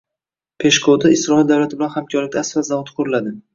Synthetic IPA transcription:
pʰe̞ʃkʰot̪aɪsɾɒɪld̪awlat̪ʰɪbɪlanhamkʲʰɒɾlɪk̚ʲd̪aasvazavɒt̪qʰoɾlad̪ɪ

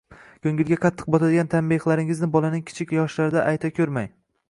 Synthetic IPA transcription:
kʲʰɵŋɡʲɪlɡʲaqʰɑt̪ʰːɨ̥q̚bɒt̪ʰad̪ɪɡʲant̪ʰambeχlaɾɪŋɪznɪbɒlanɪŋkʲʰɪ̥t͡ʃʰɪkʲjɒʃlaɾɪd̪aʔajt̪ʰakʲʰɵɾmaj

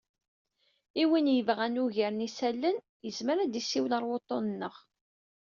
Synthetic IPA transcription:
iwinjəvʁænuʝæɾnisælːən | jəzməɾæd̪isːiwləɾˤwot̪ˤːonənːəʁ

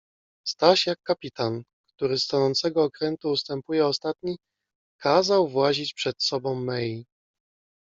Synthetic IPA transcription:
st̪aɕjakːapʲit̪an | kt̪uɾɘst̪anɔnt̪sɛɡɔːkɾɛnt̪uːst̪ɛmpujɛɔst̪at̪ɲi | kʰazawvwaʑit͡ɕpʂɛt̪sɔbɔ̃w̃ːɛji

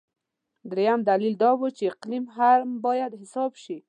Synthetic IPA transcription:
d̪ɾejamd̪alild̪ɑwut͡ʃeɪqlimɦaɾmbɑjad̪ɦɪsɑbʃi

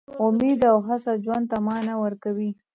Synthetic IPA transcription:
ʊmid̪awɦasad͡ʒwand̪̚t̪ːamɑnawəɾkawi

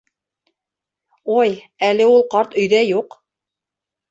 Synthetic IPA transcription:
oj | ælɘulˠqɑɾt̪ɵ̆jðæjuq

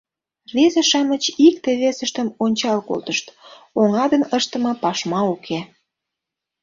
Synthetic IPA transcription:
vezeʃɑmət͡ɕik̚t̪eβesəʃt̪əmonʲt͡ɕɑlko̰lt̪əʃt̪ | oŋɑd̪ənəʃt̪ə̆mɤ̆pɑʃmɑukʰe

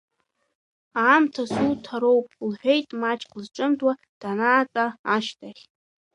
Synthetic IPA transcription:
aːmtʰasutʰaɾo̞wpʼlħʷᶣe̞jtʼmat͡ʃʰʼqəzʈ͡ʂʼɨmdʼwa | d̥anaːt͡sʼaːʃtʰaχʲ

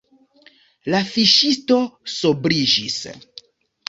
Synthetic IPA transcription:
lafiʃisto̞sobɾid͡ʒis

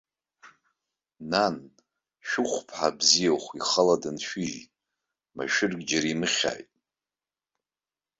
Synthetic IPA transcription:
nan | ʃᶣʊχʷpʰħabzijawχʷiχaladɨnʃᶣiʒ | ma̰ʃɪrɡʲd͡ʒaɾimɨχʲa̰jtʼ

